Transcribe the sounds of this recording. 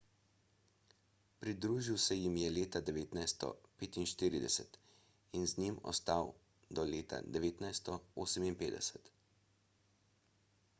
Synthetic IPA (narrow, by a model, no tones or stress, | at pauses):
pɾid̪ɾuːʒiwsɛjimjɛleːt̪ad̪ɛʋeːt̪najst̪ɔ̰peːt̪inʃt̪iːɾid̪ɛ̰sɛt̪ | inznimɔ̰st̪aw | d̪ɔleːt̪ʰa̰d̪ɛʋeːt̪najst̪ɔoːsəminpeːd̪ɛ̰sɛt̪